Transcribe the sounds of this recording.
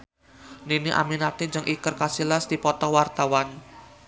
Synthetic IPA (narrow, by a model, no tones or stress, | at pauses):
niniʔa̰minat̪iɲd͡ʒəŋʔikərkasilasd̪̥ipɔt̪ɔwart̪awan